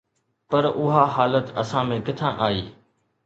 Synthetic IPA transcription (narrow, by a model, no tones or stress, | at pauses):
pɐɾʊɦaɦaːlət̪ɐ̰sãmẽkɪt̪ʰãːʔaːiː